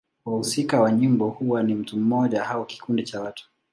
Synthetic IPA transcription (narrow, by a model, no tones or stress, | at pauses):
wahusikawaɲimbɔhuwanim̩tum̩mɔʄahauki̥kundit͡ʃawatu̥